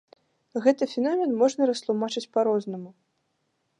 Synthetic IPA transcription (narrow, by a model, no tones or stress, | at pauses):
ɣɛt̪ɨfʲɪnɔmʲɛnmɔʐnɐɾɐst̪lˠumat͡ʂɨt͡sʲpaɾɔznɐmu